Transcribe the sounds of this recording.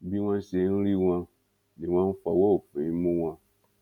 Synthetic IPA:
bi˦wã˧˦se˨˦n̩˦ɾi˦wã˧ | ni˨wã˦fa˨wɔ˦o˨fe˨i˦mũ˦wã˧

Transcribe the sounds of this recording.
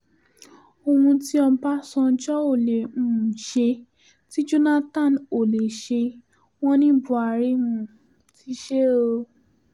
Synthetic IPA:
o˧hũ˧ti˦ɔ˧˦ba˦sɔ̃˧˦d͡ʒɔ˦o˦˨le˨ũ˨ʃe˧ | ti˦d͡ʒu˦nã˦tã˦˨no˨le˨ʃe˧ | w̃ɔ̃˦nĩ˦bu˧˦a˨˧˨ɾe˦wũ˧˨ | ti˦ʃe˦o˧

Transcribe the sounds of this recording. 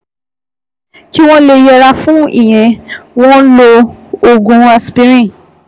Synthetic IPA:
ki˦w̃ɔ̃˦le˧jɛ˧ɾa˧fũ˦ḭ˦˨j̃ɛ̃˨w̃ɔ̃˦lo˧o˨ɡũ˨˧a˧spi˦ɾĩ˦˨

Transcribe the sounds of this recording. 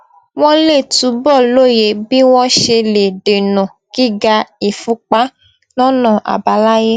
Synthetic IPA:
w̃ɔ̃˦le˦˨tu˨˦bɔ˦˨lo˦˨je˨˦bi˦w̃ɔ̃˦ʃe˧le˨ɖe˨nɔ̃˨ | ɡ̥i˦ɡa˧i˨fu˧˦k͡pa˦ | nɔ̃˦nɔ̃˦˨ʔa̰˨ba˨˦la˦je˦

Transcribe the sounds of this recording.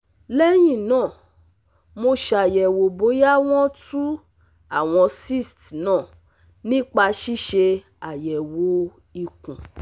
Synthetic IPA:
lɛ˦j̃ĩ˦˨nãː˦˨ | mo˧ʃa˧˨jɛ˨wo˨bo˨˦ja˦w̃ɔ̃˦tu˦ | a˦˨w̃ɔ̃˧si˦˨stnãː˦˨ | nĩ˦k͡pa˧ʃi˦ʃe˧ | a˨jɛ˨wo˨˧ | i˧kũ˨

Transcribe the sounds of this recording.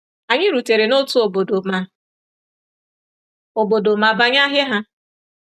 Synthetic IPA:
a˨ɲɪ˦ɾu˨te˨ɾe˨no˦tu˦o˨bo˨do˨ma˨ | o˨bo˨do˨ma˨ba˨ɲa˦ɦjɪ˦ɦa˦

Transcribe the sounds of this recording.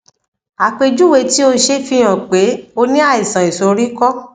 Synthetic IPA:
a˨k͡pe˧d͡ʒu˦we˧ti˦o˧n̩˧˦ʃe˦fi˧˦j̃ã˨k͡pe˨˦o˧nĩ˦a˦˨i˨sã˨i˨so˨˧ɾi˦kɔ˦

